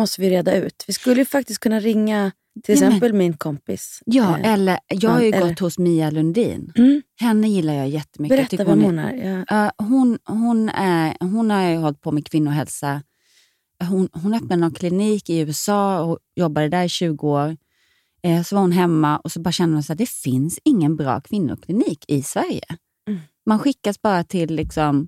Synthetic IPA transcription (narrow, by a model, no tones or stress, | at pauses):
mɔst̪əvɪjɾeːd̪aʉ̟ːt̪vɪskɵlːəjəfak̚t̪ɪst̪̚kʰɵnːaɾɪŋːa | ɪlɛsɛmpəlmɪnkʰɔmpɪ̰sjɑːʔɛlːəɾjɑːɡhajɵɡɔt̪ːhʊsmiːalɵnd̪ḭːnhɛnːəjɪlːaɾjɑːjɛt̪ːəmʏkbːɛt̪ʰʏk̪ːamːna̰ɾɑːɦʊnɦʊnæɾɦʊnhaɾjɦɔlt̪̚pʰɔmɛkʰvɪnːʊɦɛlsa | ɦʊnɦʊnœpnad̪nɔnkʰlɪniːkɪʉ̟ːɛsɑːɔjɔbːad̪əd̪æɾɪɕʉ̟ːɡʊoːɾ | sɔvaɾhʊnɦɛmːaʔɔsɔbɑːɾaɕɛnd̪əmansæːd̪ɛfɪnsɪŋːənbɾɑ̰ːkʰvɪnːʊ̰kʰlɪniːkʰɪsvæɾjə̰ | manɧɪkːasbɑːɾat̪ʰɪlːɪksɔm